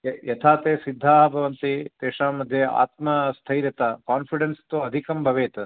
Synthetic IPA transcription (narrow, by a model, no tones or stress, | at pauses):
jɐt̪ʰaːt̪eːsid̪ʱːaːɦbʱɐʋɐnt̪it̪eːʂaːmɐd̪ʱjea̰ːt̪mɐst̪ʰɐjɾɐt̪ɐkaːnpʰiɖenst̪uɐd̪ʱikɐmbʱɐʋeːt̪